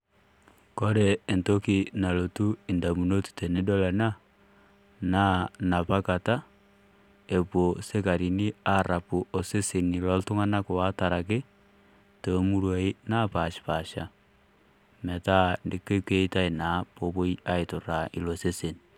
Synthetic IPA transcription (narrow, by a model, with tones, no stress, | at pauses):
ko˦ɾeː˨nto˦ki˨na˨lo˨tu˦i˨nda˨mu˨no˦tu̥˨te˨ne˦do˦la˨na˦ | na˦na˨pa˦ka˨ta˦ | e˨po˨se˦ka˨ɾi˨ni˦a˦ɾa˨pu˨ʔo˨se˦se˨ni˨lɔ˦ltu˦ŋa˦na˦ko˨wa˦ta˨ɾa˨k̬ɪ˦ | to˨˦mu˦ɾwa˨˦i˦na˦pa˨ʃpa˨ʃa˦ | me˨ta˦ndi˦ke˦ke˦i˦ta˦i˨na˨˦po˨bo˦i˦a˦i˨tu˨ɾa˨ʔḭ˨lo˨se˦se˨n